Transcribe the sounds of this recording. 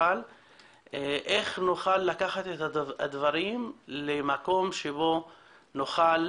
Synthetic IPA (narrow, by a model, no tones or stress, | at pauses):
al | eʔeχnuχalːakaχat̪et̪aad̪vaʁimlemako̞mʃebo̞ | noχal